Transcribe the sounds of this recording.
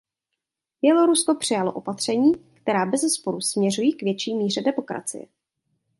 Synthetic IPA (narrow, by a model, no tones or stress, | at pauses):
bjɛlo̞ɾusko̞pr̝̥ɪjaloʔo̞pat̪r̝̥ɛɲiːkt̪ɛɾaːbɛzɛspoɾusmɲɛrujiːkvjɛt͡ʃiːmiːrɛdɛmo̞kɾa̰t͡sɪ̰jɛ̰